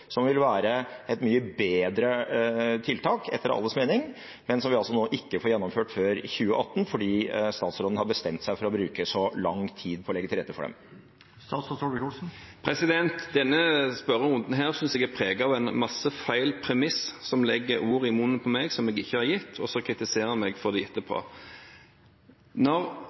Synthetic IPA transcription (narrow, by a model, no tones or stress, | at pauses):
sɔmʋɪlʋæːɾəɛt̪myːəbeːd̪ɾət̪ʰɪlt̪ʰɑːkɛ̰t̪ːəɾɑ̰lːəsmeːnɪŋ | mɛnsɔmʋɪɑlsɔnoːʔɪkːəfoːɾjɛnːɔmføːʈføːɾçʉːəʔɑt̪ːn̩fɔɖiːst̪ɑːt̪sɾoːd̪n̩hɑɾbəst̪ɛmt̪sæɪfɔɾɔbɾʉːkəsɔlɑŋt̪ʰiːd̪pʰɔɔlɛɡːət̪ɪɾɛt̪ːəfɔ̰ɖɛ̰m | st̪ɑːsɔʋɪkːlsn̩pʰɾɛsɪd̪ɛnt̪d̪ɛnːəspœɾəʊnd̪n̩ɦæːʁsʏnsɛɡæpʰʁeːɡɑʋæɪnmɑsːəfæɪlpʰʁɛmɪssɔmlɛɡːəɾuːʁɪmuːnəpʰɔmɛɡsɔmɛɡɪçːəhɑʁjɪt̪ːɔsɔkʰʁɪt̪ɪseːʁəmɛɡfɔʁd̪ɛɪɛt̪ːəpʰo̰ | nɔʁ